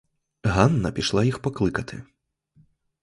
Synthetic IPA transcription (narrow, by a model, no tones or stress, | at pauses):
ɣanːɐpʲiʂlˠajixpaklˠɨkɐt̪ʰɨ̰